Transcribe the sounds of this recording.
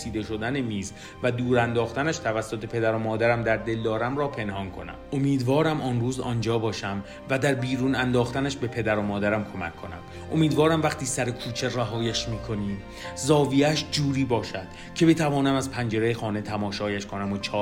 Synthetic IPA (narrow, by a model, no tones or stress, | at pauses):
siːd̪e̞ʃo̞d̪æne̞miːz | væd̪uːɾænd̪ɒːxt̪ænæʃt̪ʰævæsːot̪ʰepʰe̞d̪æɾomɒːd̪æɾæmd̪æɾd̪e̞ld̪ɒːɾæmɾɒːpʰe̞nhɒnkʰo̞̰næ̰mo̞miːd̪vɒːɾæmʔɒːnruːzɒ̰ːnd͡ʒɒːbɒːʃæm | væd̪æɾbiːɾuːnænd̪ɒːxt̪ænæʃbe̞pʰe̞d̪æɾomɒːd̪æɾæmkʰo̞mækʰːo̞næ̰m | ʔo̞miːd̪vɒːɾæmvæχt̪iːsæɾekʰuːt͡ʃʰe̞ræɦɒːjæʃmiːkʰo̞niː | zɒːvijæʃd͡ʒuːɾiːbɒːʃæd̪̥ | cʰe̞bet̪ʰævɒːnæmæzpʰænd͡ʒe̞ɾejexɒːne̞t̪ʰæmɒːʃɒːjæʃkʰo̞næmot͡ʃʰɒː